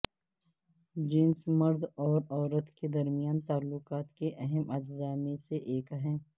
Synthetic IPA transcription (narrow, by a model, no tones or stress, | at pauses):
d͡ʒɪnsmɐɾd̪ɔːɾɔːɾət̪ked̪ɐɾmijaːnt̪aːlːʊqaːt̪keʔɐɦɛmɐd͡ʒzaːmẽseʔeːkɦɛ̃ː